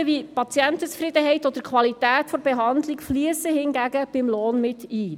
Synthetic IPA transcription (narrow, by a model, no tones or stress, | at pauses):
ʋipɑt͡sjænt̪ət͡sfrɪd̪əɦɛɪtɔd̥̪əɾkʰwɑlit̪æːtfɔɾbeɦɑnd̪likfliəsəhɪnɡæɡəb̥ɪmloːnmɪt̪iː